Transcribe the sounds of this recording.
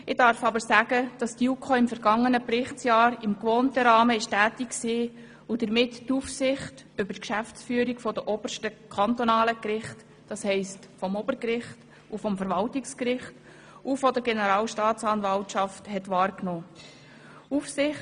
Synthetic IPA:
ɪdɑɾfɑbəɾsæɡ̥əd̥ɑstiukʰoɪmfɛɾɡɑŋːənəprɪχt͡sjɑːɾɪmkʋoːntəɾɑːməɪʃtæːtikksiː | ud̥̪əɾmɪtːufsɪχtʏbəɾkʃæft͡sfyːəɾikfɔdəʔɔb̥əʃtəkʰɑnt̪ɔnɑːləkɾɪχt | d̥ɑshɛɪst | fɔmɔb̥əɾkɾɪχt | ufɔmfəɾʋɑltɪkskɾɪχt | ʔufɔdəɾɡɛnəɾɑːlʃtɑːtt͡sɑnvɑltʃɑfthɛtʋɑːɾknoː | ufsɪχ

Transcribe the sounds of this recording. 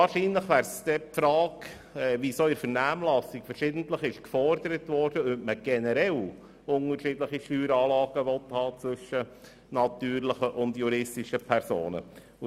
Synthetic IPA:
ɑːɾʃiːnləχʋæːɾst̪ɛpfɾɑːk | ɛʋisoɪɾfəɾnæːmlɑsɪkfəɾʃɪːdəntləχɪʃkfɔrdəɾətʋɔɾd̥əœpməɡ̥ɛnəɾɛl | ʊŋəɾʃɪːdləχiʃtyːɾɑːlɑːɡ̥əʋɔthɑːt͡sʋɵʃə | nɑt̪yːɾləχəʔʊndjuɾɪstɪʃəpʰɛɾso̰ːnə̰

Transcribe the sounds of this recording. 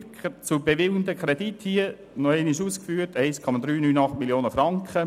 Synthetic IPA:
t͡sʊbevɪwndəkɾɛdithiə | nɔɛnɪʃuːskfyːətɛɪskʰɔmɑd̪ɾyːnyːnɑχtmiljoːnəfɾɑŋkχə

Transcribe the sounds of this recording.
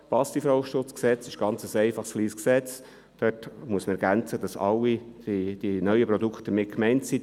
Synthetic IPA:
pɑstifɾoʊʃtʊt͡sksɛt͡sɪʃɡ̥ɑnt͡səsɛɪfɑχsfliːsksɛt͡s | d̥øtmuəsməɛɾɡænt͡səd̥̪ɑsɑlːi̥id̥inœʏəpɾɔd̪ukχtədəmɪt̚kmɛɪntsi

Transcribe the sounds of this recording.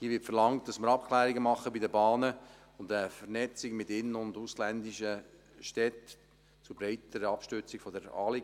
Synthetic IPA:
hiəʋɪtfəɾlɑŋt̚d̥ɑsməɾɑp̚kʰlæːɾiɡəmɑχːəbidəbɑːnə | ʊndəfənɛt͡sɪɡmɪtɪnːʊnduslændɪʃə | ʃtɛt | t͡sʊbɾaɪtəɾəɑpʃtʏt͡sɪɡ̥fɔdəɾɑ̰ːli

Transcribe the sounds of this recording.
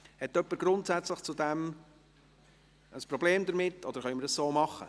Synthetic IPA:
hɛt̪ːœpːəɾɡ̥ɾʊntsæt͡sləχt͡sud̪ɛm | əspɾɔbleːmd̪əɾmɪtːɔd̪əɾχœʏməɾdəssoːmɑχə̰

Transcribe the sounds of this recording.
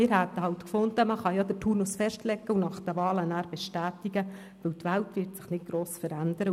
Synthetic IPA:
mɪːɾɦæt̪ːəhɑlt̪kfʊnd̪əməχɑjɑd̥̪ətʰuːnusfɛʃtlɛɡːəunɑχd̥̪əvɑːlənæːɾb̥ɛʃtæːt̪iɡə | ʋɵwtʋæltʋɪrtsɪχnɪt̚ɡ̥ɾoːsfəɾænd̪əɾə

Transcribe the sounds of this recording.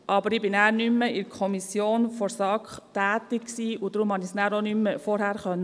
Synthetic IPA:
ʔɑbəɾɪbɪnæːɾnymːəɪɾkʰɔmisjoːnfɔɾsɑkχtæːtɪksiːʊd̥ɾumhɑnisnæːɾɔnymːəfɔɾhæːɾχœnːə

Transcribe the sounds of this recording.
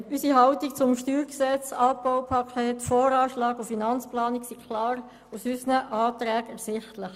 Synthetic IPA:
ysiɦɑʊtikt͡sʊmʃtyːɾksɛt͡sɑb̥ɔʊpʰɑkʰeːtfɔːɾɑːʃlɑːɡufinɑnt͡splɑːniksikʰlɑːɾ | usysənəʔɑːt̪ɾɛːɡɛɾsɪχtləχ

